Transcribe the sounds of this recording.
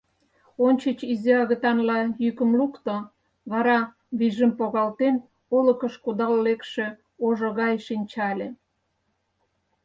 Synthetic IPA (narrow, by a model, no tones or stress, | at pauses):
onʲt͡ɕət͡ɕizeɑɣət̪ɑnlɑjykə̆mlukt̪o | βɑɾɑ | βiʒəmpoɣɑlt̪en | olə̆kəʃkud̪ɑllekʃe | oʒoɣɑjʃinʲt͡ɕɑlʲe